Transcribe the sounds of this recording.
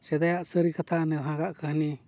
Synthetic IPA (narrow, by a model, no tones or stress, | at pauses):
t͡ʃed̪ajasəɾikat̪ʰanẽɦãkaʔkəhnĩ